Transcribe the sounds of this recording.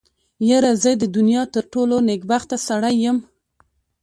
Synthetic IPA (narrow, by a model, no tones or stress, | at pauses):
jaɾazəd̪əd̪ʊnjɑt̪əɾʈoloneɡbaxt̪asaɽajːəm